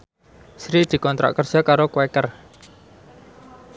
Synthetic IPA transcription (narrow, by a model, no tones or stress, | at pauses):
sɾid̪̥i̤kɔnt̪ɾʔa̰ʔkər̥ʒ̥a̤kaɾokwɛkər